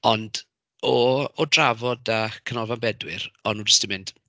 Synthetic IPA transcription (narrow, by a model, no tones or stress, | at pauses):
ɔnd | ɔɔdravɔdakʰənɔvanbɛdwɪrɔnːuːd͡ʒəstimɪnd̥